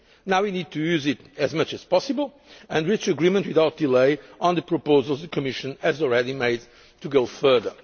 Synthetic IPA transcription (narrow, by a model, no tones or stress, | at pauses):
nawwinid̚t̪ʰujʉzɪtɨzmʌt͡ʃɨz̥pɔsɨbəlˠ | ɨ̃nɹit͡ʃɨɡɹimə̃ntwiðaʊt̪̚d̪̥ileɪə̃nðɨpʰɹəpoʊzəl̩ˠzðɨkʰɨmɪʃɨ̃nɨzɔl̩ˠɹɛɾimeɪd̚ | tuɡoʊfɜ˞ðə̰˞